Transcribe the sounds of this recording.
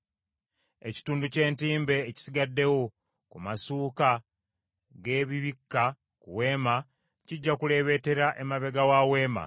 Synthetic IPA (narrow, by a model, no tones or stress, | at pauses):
e̞ci̥tuːnduce̞ːntiːmbe̞ːci̥siɡadːe̞wo | kumasuːka | ɡe̞ːβiβikːa | kuwe̞ːma | ciɟːakule̞ːβe̞te̞ɾaʔemaβe̞ɡawawe̞ːma̰